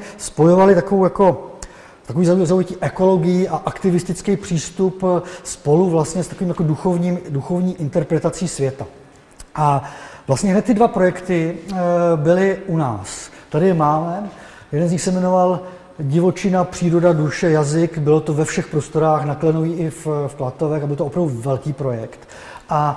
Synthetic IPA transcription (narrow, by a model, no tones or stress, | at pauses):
spo̞jo̞valɪt̪akovowjako̞ | t̪akoviːzaujzaujɛciːʔɛko̞lo̞ɡɪjiʔaʔakt̪ɪvɪst̪ɪt͡skɛjpr̝̥iːst̪upspo̞luvlast̪ɲɛst̪akoviːmjakoduxovɲiːmduxo̞vɲiːʔɪnt̪ɛɾpɾɛt̪at͡siːsvjɛt̪a | ʔavlast̪ɲɛɦnɛt̪t̪ːɪdvapɾo̞jɛkt̪ɪ | bɪlɪʔuna̰ːst̪adɪjɛmaːmɛjɛdɛnzɲɪxsɛmɛno̞val | ɟɪvo̞t͡ʃɪnapr̝̥iːɾo̞daduʃɛjazɪkbɪlo̞t̪o̞vɛfʃɛxpɾo̞st̪o̞ɾaːxnaklɛnoviːʔɪffklat̪o̞vɛxabɪlt̪oopɾavduvɛlkiːpɾo̞jɛkt̪ | ʔa